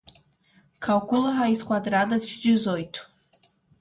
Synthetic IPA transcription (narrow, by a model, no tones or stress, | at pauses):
kʰalkʷʼʊlaɦaiskʷʼadradadʃd͡ʒɪzojtʰʼ